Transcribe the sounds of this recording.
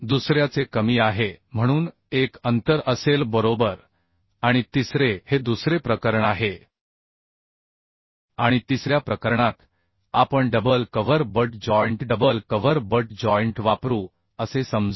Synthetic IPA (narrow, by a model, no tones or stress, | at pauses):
d̪usɾjat͡sekəmiːaɦem̤əɽ̃uːn | ekənt̪əɾəselbəɾobəɾ | aɽ̃it̪isɾehed̪usɾepɾəkəɾəɳaɦe | aɽ̃it̪isɾjapɾəkəɾɳat̪ | apəɳɖəbəlkəʋəɾbəʈ̚d͡ʑɔjɳʈɖəbəlkəʋəɾbəʈ̚d͡ʑɔjɳʈʋapɾuː | əsesəmd͡z